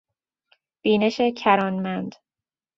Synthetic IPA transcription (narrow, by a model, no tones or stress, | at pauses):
b̥iːne̞ʃe̞cʰæɾɒːnmænd̪̥